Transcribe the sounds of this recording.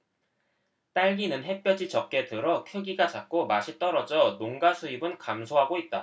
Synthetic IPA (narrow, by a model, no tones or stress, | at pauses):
t͈aɭɡinɯnɦe̞p͈jʌd͡ʑit͡ɕʌp̚k͈e̞tɯɾʌkʰjoɡiɡat͡ɕak̚k͈omaɕʰit͈ʌɾʌd͡ʑʌnoŋɡasʰuibɯnkamsʰoɦaɡoit̚t͈a